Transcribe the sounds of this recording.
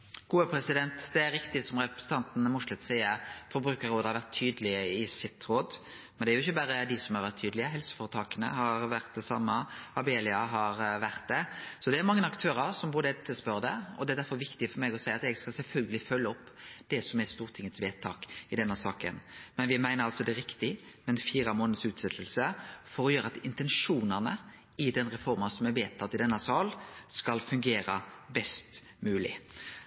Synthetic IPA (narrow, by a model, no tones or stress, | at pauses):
ɡ̥uːəpʰɾɛsɪd̪ɛnt̪d̪ɛæɾɪkt̪ɪsɔmʁɛpɾə̥sən̩t̪ʰɑnt̪n̩mʊʂlɛt̪sæɪəɾfɔɾbɾʉːkəɾoːd̪əhɑɾʋæɾt̪ʰːyːd̪əlɪəɪsɪt̪ːɾoːd̪ | mɛnd̪ɛæɾjʊɪçːəbæɾəd̪ɪsɔmhɑɾʋæɾt̪ʰːyːd̪lɪəɦɛlsə̥foːɾət̪ʰɑːkənə̰hɑɾʋæɾt̪̚d̪ɛsɑ̰mːəɑbeːlɪɑɦɑɾʋæɾt̪̚d̪ɛsɔd̪ɛæɾmɑŋːənɑkt̪ʰøːɾɑɾsɔmbuːɾd̪ɛt̪ʰːəspœɾd̪əɔ̰d̪ɛæɾd̪æɾfɔɾʋɪkt̪ɪəfɔɾmɛːɡɔsæɪɑt̪ɛɡskɑlsɛlfœlɡəlɪfœlːəɔpːd̪̥ɛsɔmɛst̪uːʁt̪ʰɪŋːət̪sʋeːt̪ʰɑːkɪd̪ɛnːəsɑːkə̰nmɛnʋɪmæɪnəɾɑlsɔd̪ɛɾɪkt̪ɪmɛnfiːɾɑmoːnəd̪əsʉːt̪sɛt̪ʰːəlsəfɔɾɔjøːɾəɑt̪ɪnt̪ɛnʂuːnɑʁnə | ɪd̪ɛnʁɛfɔɾmɑsɔmɛʋeːt̪ʰːɑt̪ːɪd̪ɛnːəsɑːlskɑlfʉŋɡeːɾɑbɛst̪ | mʉːlɪ̰